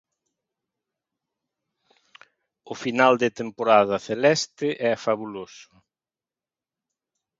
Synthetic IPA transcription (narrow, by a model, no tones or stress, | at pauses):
ʊfinald̪ɪt̪empoɾaðɐθelɛst̪ɪʔɛfaβulosʊ̥